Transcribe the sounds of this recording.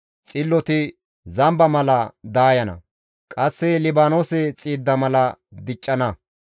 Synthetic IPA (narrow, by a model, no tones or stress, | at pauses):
t͡sʼɪlːɔt̪ɪ | zɐmbɐmɐlɐd̪aːjɐnɐ̰ | kʼɐsːɛlɪbaːnoːsɛt͡sʼiːd̪ːɐmɐlɐd̪ɪt͡ʃʼːɐnɐ